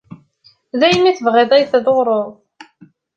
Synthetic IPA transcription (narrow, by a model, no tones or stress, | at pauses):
ðæjmiθəvʁeðˤejθðoʁɾˤoðˤ